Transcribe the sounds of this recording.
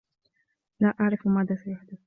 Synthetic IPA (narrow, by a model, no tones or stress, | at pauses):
laːʔaʕɾˤɪfmaːðaːsajaħd̪ɪθ